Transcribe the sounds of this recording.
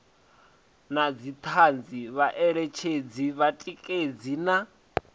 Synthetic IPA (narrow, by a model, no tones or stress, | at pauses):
nad͡zit̪ʰand͡ziβaʔɛɺɛt͡ʃʰed͡ziβatʼikʼed͡zina